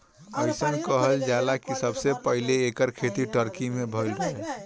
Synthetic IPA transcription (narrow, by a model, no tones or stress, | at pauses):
əɪsənkəɦəld͡ʒalakisəbsepəɦileːkəɾkʰet̪iʈəɾkimebʱəɪlɾəɦɛ